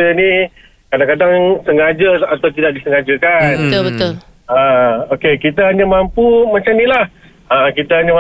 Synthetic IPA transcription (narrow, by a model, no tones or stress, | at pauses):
ənĩ | kadaŋkadaŋsəŋad͡ʒəat̪awt̪idaʔ̚disəŋad͡ʒəkanbət̪ʊlbət̪ʊl | aokekit̪əɦaɲamampumat͡ʃamnilah | əkit̪əɦaɲam